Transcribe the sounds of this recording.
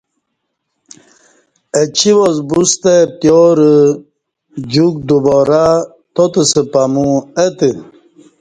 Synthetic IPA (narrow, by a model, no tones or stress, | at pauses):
ət͡ɕiwozbust̪epjoɾə | d͡ʑuk̚d̪ubɔɾa | t̪ot̪əsəpamũət̪ə